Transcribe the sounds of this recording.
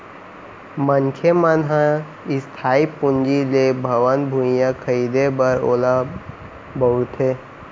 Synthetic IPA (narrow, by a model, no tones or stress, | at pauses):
mənkʰemənɦã | ɪst̪ʰaːipʊ̃nd͡ʒilebʱəʋənbʱũjãkʰəiːd̪ebəɾoːla | bəʊt̪ʰeː